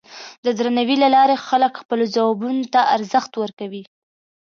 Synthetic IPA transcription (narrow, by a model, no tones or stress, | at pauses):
d̪əd̪ɾanawilalɑɾexaləkxpəlod͡zawɑbunot̪aʔaɾzəxt̪wəɾkawi